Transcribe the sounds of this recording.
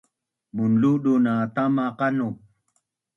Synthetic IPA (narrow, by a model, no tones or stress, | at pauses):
munluɗunat̪amaqanu